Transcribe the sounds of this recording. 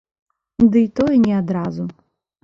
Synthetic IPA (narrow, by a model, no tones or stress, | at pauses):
d̪ɨit̪ɔjɛnʲɛad̪ɾazu